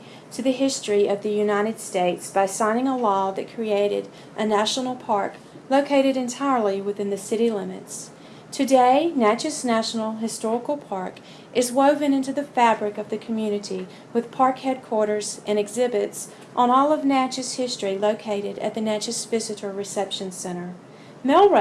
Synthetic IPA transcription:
tʰɨðɨɦɪstɹ̥iʌvðɨjʉnaɪɾɨd̥steɪtsb̥aɪsãɪ̃ñɪ̃ŋəlɔðɨt̚kʰɹ̥ieɪɾɨ̰ɾ | ʔɨnæʃn̩l̩ˠpʰɑɹk | loʊkʰeɪɾɨɾɨ̃ntʰaɪə˞lˠiwɨθɪ̃nðɨsɪɾilɪ̃mɨ̰ts | tʰɨdeɪnæt͡ʃɨsnæʃn̩l̩ˠɦɨstɔɹəkl̩ˠpʰɑɹk | ʔɨzwoʊvɨ̃nɪ̃ntʉðɨfæbɹɨkʌvðɨkʰmjʉnɨɾi | wɨð̥pʰɑɹkhɛd̚kʰw̥ɔɹɾə˞zʔɨ̃nɨɡzɪbɨts | ʔn̩ɔlˠʌvnæt͡ʃɨz̥hɪstɹ̥iloʊkʰeɪɾɨɾɨ̰t̪̚ðɨnæt͡ʃɨsvɪzɨɾə˞ɹɨsɛpʃɨ̃nsɛ̃ɾ̃ə˞ | mɛlˠ

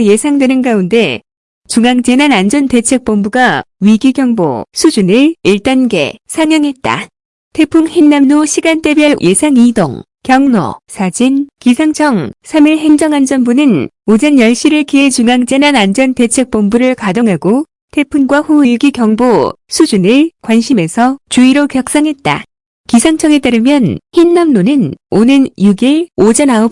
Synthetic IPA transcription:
je̞sʰaŋdwenɯnɡaunde̞ | t͡ɕuŋaŋd͡ʑe̞nanand͡ʑʌnte̞t͡ɕʰe̞k̚p͈ombuɡaɥiɡiɡjʌŋbo̰sʰud͡ʑunɯɭiɭt͈anɡe̞̰sʰaŋjʌŋɦe̞t̚t͈a̰ | tʰe̞pʰuŋhinːamnoɕʰiɡant͈e̞bjʌɭjʔe̞sʰaŋido̰ŋ | kjʌŋnʌ̰sʰad͡ʑinkisʰaŋt͡ɕʰʌŋsʰamiɭɦe̞ŋd͡ʑʌŋand͡ʑʌnbunɯn | od͡ʑʌnjʌɭɕ͈iɾɯɭkiet͡ɕuŋaŋd͡ʑ͈enanand͡ʑʌnte̞t͡ɕʰe̞k̚p͈ombuɾɯɭkadoŋɦaɡo | tʰe̞pʰunɡwaɸuiɭɡikjʌŋbosʰud͡ʑunɯɭkwanɕʰime̞sʰʌt͡ɕuiɾokjʌk̚s͈ʌŋɦe̞t̚t͈a̰ | kisʰaŋt͡ɕʰʌŋe̞t͈aɾɯmjʌnhinːamnonɯnonɯnjuɡiɭod͡ʑʌnaʌp̚

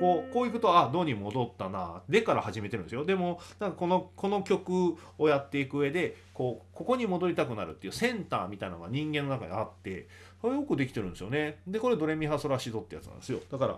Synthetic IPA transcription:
ko̞ːko̞ːikɯ̟t̪o̞ad̪o̞ːɲ̟imo̞d̪o̞t̪ːanad̪e̞kaɾahaʑime̞t̪eɾɯ̟̃nd̪sjod̪e̞mo̞nãŋkako̞no̞kʰo̞no̞kʲo̞kɯ̟ | ojat̪ːe̞ikɯɯ̟e̞d̪e̞ko̞ːko̞ko̞ɲ̟imo̞d̪o̞ɾʲit̪akɯ̟naɾɯ̟t̪ːe̞jɯ̟sẽ̞nt̪aːmʲit̪ainanoɡaɲ̟ĩŋɡẽnːonaka̰ɲ̟ḭat̪ːe̞̰ | ojokɯ̟d̪e̞kʲi̥t̪e̞ɾɯ̟nd̪esɨjone̞d̪e̞koɾe̞d̪o̞ɾe̞mʲiɦaso̞ɾaɕid̪o̞t̪ːeja̰tt͡sɨna̰nd̪esjo̞d̪̥akaɾa̰

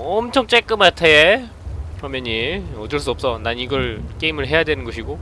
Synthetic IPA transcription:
ʌmt͡ɕʰʌŋt͡ɕ͈ek͈ɯmatʰee | kɯɾʌmjʌneʌdɯɭs͈uʌp̚s͈ʌnaniɡʌɭk͈eimɯɭɦe̞jadwenɯnɡʌɕʰiɡo

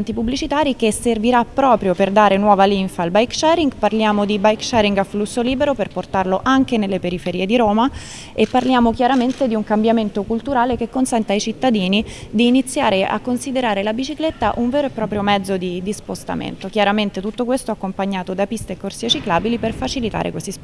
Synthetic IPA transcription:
nt̪ipubːlit͡ʃit̪aːɾikesːerviɾapːɾɔːpɾjoperd̪aːɾenwɔːvaliɱfalbajkʃɛriŋɡparljaːmod̪ibajkʃɛɾiŋɡaflusːoliːbeɾoperport̪arloʔaŋk̟enelːepeɾifeɾiːed̪iɾoːma | epːarljaːmokjaɾament̪ed̪iuŋkambjament̪okult̪uɾaːlekekːonsɛnt̪aajt͡ʃit̪ːad̪iːnid̪iːnit̪sːjaːɾeʔa̰kːonsid̪eɾaːɾelabit͡ʃiklet̪ːa̰ʔuɱveːɾoepːɾɔːpɾjomɛd̪zːod̪id̪ispost̪a̰mḛnt̪ok̟jaɾament̪et̪ut̪ːokwest̪oakːompaɲːaːt̪od̪apist̪eːkːorsiet͡ʃiklaːbiliperfat͡ʃilit̪a̰ɾḛkwest̪is

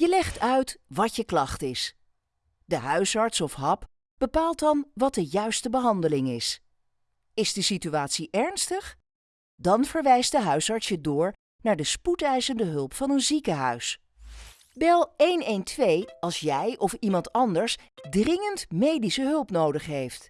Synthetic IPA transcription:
jəlɛχtœɥtʋɑtjəklɑχtɪs | dəɦœɥsɑɹtsɔfɦɑp | b̥əpaːlˠtdɑnʋɑt̚dəjœɥstəbəɦɑndəlɪŋɪs | ɪzdəsityaːtsiʔɛɹnstəχ | dɑnv̥əɹʋɛjst̚dəɦœɥsɑɹtsjədʊːɹ | naːɹdəsputɛjzəndəɦɵlˠpfɑnənzikəɦœ̰ɥs | bɛlˠejnejntʋejɑlˠsjɛjʔɔfimɑntɑndəɹsdrɪŋəntmejdisəɦɵlˠpnowdəχɦejft

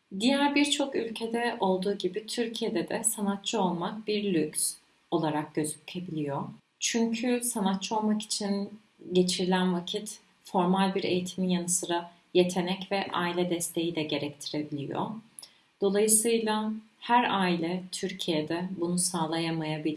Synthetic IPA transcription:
d̪ijæɾbiɾt͡ʃʰo̞kylʲcʰe̞d̪ɛʔo̞lˠd̪uːɟibit̪ʰyɾcʰije̞d̪ɛd̪ɛsanat̪̚t͡ʃʰɯo̞lˠmak̚biɾlʲycs | o̞lˠaɾak̚ɟ̥ø̞zyc̪ʰe̞bilʲijo | t͡ʃʰyɲcʰysanat̪̚t͡ʃʰɯo̞lˠmaki̥t͡ʃʰin | ɟe̞t͡ʃʰiɾilʲænvacʰit̪ | fo̞ɾmalʲbiɾe̞̰jit̪ʰimijanɯsɯɾa | je̞t̪ʰe̞nɛcvɛʔa̰ːilʲɛd̪ɛst̪ʰe̞jid̪ʲɛɟe̞ɾɛct̪ʰiɾe̞bilʲḭjo̰ | d̪̥o̞lˠajɯsɯjlˠa | hæɾaːilʲɛt̪ʰyɾcʰijed̪ɛbunusaːlˠajamajabi

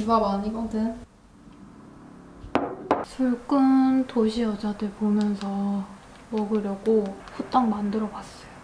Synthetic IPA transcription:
ibabaɲiɡʌdɯn | sʰuɭk͈ɯntoɕʰiʌd͡ʑadɯɭpomjʌnsʰʌ | mʌɡɯɾjʌɡoɸut͈aŋmandɯɾʌɡas͈ʌjo

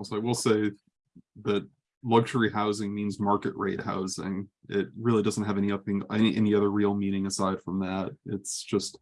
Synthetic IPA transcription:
saɪk̚wilˠseɪ | ðɨt̚ | lʌɡʃə˞ihaʊzɪ̃ŋmĩnzmɑɹkɨʔ̚ɹeɪt̚ha̰ʊzɪ̰̃ŋɪt̚ɹɪlˠidʌzn̩t̚ɦɨvɛ̃ñiʌə˞ɪ̃ŋɛniʔɛ̰niʌðə˞ɹil̩ˠmĩñɪ̃ŋɨsaɪd̥fɹʌ̃mðæt̚ɪtsd̥ʒ̥ʌst̚

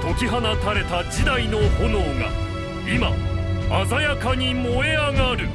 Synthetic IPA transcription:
t̪o̞kʲiɦanat̪aɾe̞t̪ad͡ʑid̪aino̞hono̞ːɡa̰ | ima̰azajakaɲ̟imo̞e̞aŋaːɾɯ̟

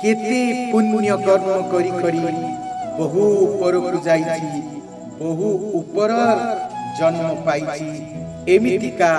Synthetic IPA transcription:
ket̪epunːjʌkʌrmʌkʌɾikʌɾibʌɦuupʌɾokud͡zajt͡sʰi | bɔɦuupɔɾʌɾd͡zʌnmɔpajt͡ʃʰi | emit̪ika

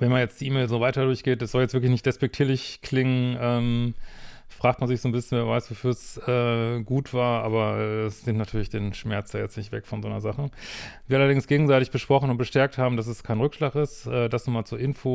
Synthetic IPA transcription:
vɛnmanjɛt͡sd̥iːʔiːmeːlzoːvaɪtɐdʊɐçɡ̥eːt̚d̥asz̥ɔljɛt͡sv̥ɪɐklɪçnɪçtd̥ɛspɛk̚tʰiːɐlɪçkʰl̥ɪŋənʔɛːm | fʁ̥aːktmanzɪçz̥oːnbɪsçənvɛːɐvaɪsv̥ofyːɐsɛːɡuːtv̥aːɐʔa̰ːbɐʔɛɛsz̥ɪːtnatʰyːɐlɪçd̥eːnʃmɛɐt͡sd̥aːjɛt͡stnɪçtv̥ɛ̰kfɔnzoːnɐzaχəviːɐalɐdɪŋsɡ̥eːɡŋ̩zaɪtɪçb̥əʃpʁ̥ɔχn̩ʊntb̥əʃtɛɐk̚thaːbm̩d̥as̬ɛskʰaɪnʁʏkʃlaːkɪsʔɛːdasnuːmaːlt͡suɐʔɪnfoː

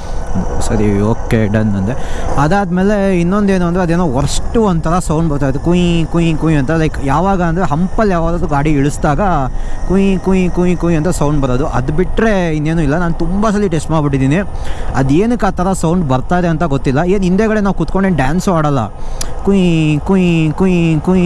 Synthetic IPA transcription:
sɐɾḭoːkːeɖɐnɐnd̪eɐd̪aːd̪meːle̞inːond̪e̞ːnuːɐnd̪ɾeɐd̪eːnoːɦɔɾɐʂʈːuond̪̚t̪ʰɐɾɐsɐwɳɖbɐɾt̪ajid̪ukuikuikuiɐnt̪ɐlɐjkjaːʋaːɡɐːnd̪ɾeɦɐmpɐljaːʋaːd̪ːd̪uɡaːɽiiɭusd̪aːɡɐkuikuikuikujɐnt̪ɐsɐwɳɖbɐɾoːd̪uʔɐ̰d̪biʈɾe̞inːe̞ːnuːilːɐnaːnut̪umbɐs̬ɐlːiʈeːsʈmaːɽbiʈ̬ːid̪iːniɐd̪eːnɐkːaːt̪ʰɐɾɐsɐwɳɖbɐɾt̪aːjd̪eɐnt̪ɐɡot̪ːilːɐeːnind̪eːɡɐɽenaːʋkut̪koɳɖenɖjaːnsmaːɽɐlːɐ̰kuikuikukui

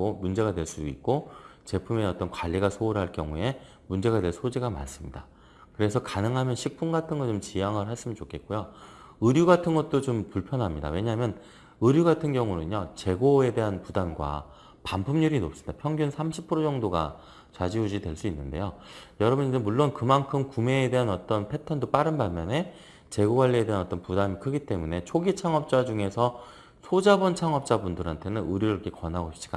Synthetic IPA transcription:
omund͡ʑe̞ɣadwe̞ɭs͈uit̚k͈ot͡ɕe̞pʰumeʌt͈ʌnkwaʎːiɡasʰouɾɦaɭkjʌ̰ŋue̞ | mund͡ʑe̞ɡadwe̞ɭssʰod͡ʑiɡama̰ns͈ɯmɲida | kɯɾe̞sʰʌkanɯŋɦamjʌnɕʰik̚p͈ʰunɡatʰɯnɡʌt͡ɕomt͡ɕijaŋɯɭɦaɭs͈ɯmʌnt͡ɕokʰe̞t̚k͈ojo | ɯɾjuɡatʰɯnɡʌt̚t͈ot͡ɕompuɭpʰjʌnɦamɲida̰we̞ɲaɦamjʌn | ɯɾjuɡatʰɯnɡjʌŋunɯɲot͡ɕe̞ɡoe̞de̞ɦanpudanɡwa̰ | pampʰumɲuɾinop̚s͈ɯndapʰjʌŋɡjunsʰamɕʰipʰːɯɾod͡ʑʌŋdoɡa̰ | t͡ɕad͡ʑiud͡ʑidwe̞ɭs͈uinːɯnde̞jojʌɾʌbɯnid͡ʑemuɭːonkɯmankʰɯmkume̞ːde̞ɦanʌt͈ʌnpʰe̞tʰʌndop͈aɾɯnbaɭmjʌne̞ | t͡ɕe̞ɡoɡwaʎːie̞de̞ɦanʌt͈ʌnpudamikʰɯɡit͈e̞mune̞t͡ɕʰoɡit͡ɕʰaŋʌp̚t͡ɕ͈ad͡ʑuŋe̞sʰʌ | sʰod͡ʑabʌnt͡ɕʰaŋʌp̚t͡ɕ͈abundɯɾɦantʰe̞nɯnɯɾjuɾɯɭiʌkʰe̞kʌnɦaɡoɕʰi̥t͡ɕ͈ʰi̥k͈a

